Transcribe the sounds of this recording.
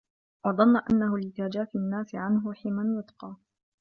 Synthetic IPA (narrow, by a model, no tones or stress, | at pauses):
wɑðˤɑnːʔa̰nːahʊlɪt̪ad͡ʒaːfɪnːaːsɪʕanɦʊħiːmanjʊt̪ˤqɑː